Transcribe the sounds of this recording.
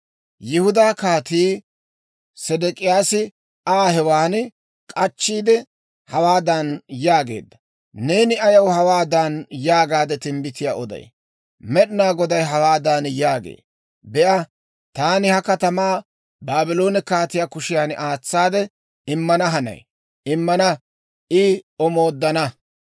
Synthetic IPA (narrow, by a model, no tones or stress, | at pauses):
jɪhʊd̪aːkaːt̪iː | sɛd̪ɛkʼɪjaːsɪ | aːhɛwaːn | kʼɐt͡ʃːiːd̪ɛ | hɐwaːd̪anjaːɡe̞̰ːd̪ːɐ | ne̞ːnɪɐjɐwhɐwaːd̪anjaːɡaːd̪ɛt̪ɪmbɪt̪ɪjaːʔɔd̪ɐ̰j | mɛɗɪnaːɡɔd̪ɐjɦɐwaːd̪aːnjaːɡḛː | bɛʔɐ | t̪aːnɪhɐkɐt̪ɐmaː | baːbɪlo̞ːnɛkaːt̪ɪjaːkʊʃɪjaːnʔaːt͡sːaːd̪ɛ | ɪmːɐnɐɦɐnɐ̰j | ɪmːɐnɐ | ʔɪɔmo̞ːd̪ːɐnɐ